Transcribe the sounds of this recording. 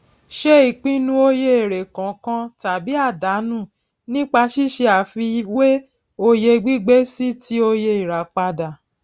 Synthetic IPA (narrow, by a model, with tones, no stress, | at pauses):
ʃe˦i˨k͡pĩ˦nũ˧o˧je˧e˨ɾe˨kã˨kã˧ta˨bi˨˦a˦˨da˨˦nũ˦˨ | nĩ˦k͡pa˧ʃi˦˨ʃe˧a˨fi˧wwe˦ | o˧je˧ɡ͡bi˦ɡ͡be˦si˦ti˦o˧je˧i˨ɾa˨k͡pa˧da˨